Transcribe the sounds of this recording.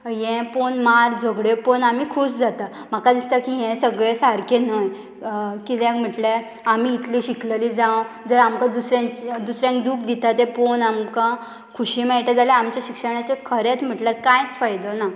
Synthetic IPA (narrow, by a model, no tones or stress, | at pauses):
jɛ̃ponmaɾd͡zəɡɭeponamiːkʰusd͡zat̪a | m̤akad̪ist̪akiɦɛ̃səɡɭesaɾkenəj | kit̪ɛ̃km̤əʈle | amiːt̪liɕikləlid͡zãw | d͡zəɾamkãd̪usɾãt͡ɕd̪usɾjãŋkd̪uːkʰd̪it̪at̪ẽponamkã | kʰuɕimɛɭʈ̪ad͡zalɛamt͡ɕjaɕikʂəɳ̃at͡ɕekʰəɾet̪m̤əʈlaɾkãjt͡sfajd̪ɔna